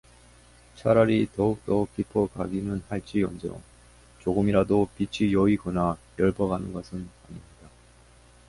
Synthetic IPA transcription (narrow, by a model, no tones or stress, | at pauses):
t͡ɕʰaɾaɾitʌuk̚t͈ʌuk͈ipʰʌkaɡinɯnhaɭt͡ɕ͈iʌnd͡ʑʌo̰ | t͡ɕoɡɯmiɾadopit͡ɕʰijʌiɡʌnajʌɭbʌɡanɯnɡʌsʰɯna̰ɲimɲid̥a